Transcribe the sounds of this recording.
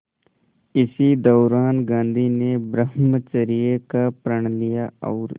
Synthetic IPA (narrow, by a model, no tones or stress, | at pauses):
ɪsid̪ɔːɾaːnɡãːnd̪ʱinebɾəɦmət͡ʃəɾijekapɾəɳ̃lijaɔːɾ